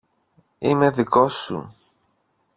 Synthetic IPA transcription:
ime̞ðiko̞sṵ

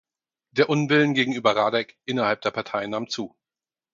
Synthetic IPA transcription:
d̥eːɐʔʊnvɪlənɡeːɡŋ̩ʔyːbɐʁaːdɛkʔɪnɐhalp̚d̥eːɐpʰaɐtʰaɪənaːmt͡suː

